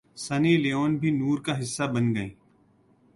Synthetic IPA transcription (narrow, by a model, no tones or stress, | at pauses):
səniːleːoːnbʱiːnuːɾkaːɦɪsːaːbənɡəẽː